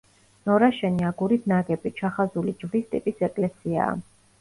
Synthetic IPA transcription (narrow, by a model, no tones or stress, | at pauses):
nɔɾaʃɛniaɡuɾit̪ʰnaɡɛbit͡ʃʰaχazulid͡ʒvɾist̪ʼipʼisɛkʼlɛsia̰ː